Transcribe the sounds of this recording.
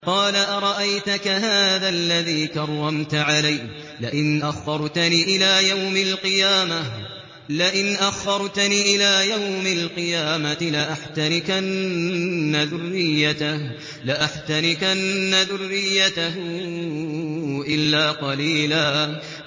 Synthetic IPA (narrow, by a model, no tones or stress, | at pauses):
qɑːlaʔɑɾˤɑʔajt̪akaɦaːðalːaðiːkɑɾˤːɑmt̪aʕalajh | lɪʔɪnʔaxːɑɾˤt̪aniːʔɪlaːjawmalqɨjaːma | lɪʔɪnʔaxːɑɾˤt̪aniːʔɪlaːjawmalqɨjaːmaɪlaʔaħt̪anɪkʔannːaðʊrːɪjːat̪ah | lɪʔaħt̪anɪkʔnːaðʊrːɪjːat̪aɦʊ | ʔɪlːaːqɑliːlaː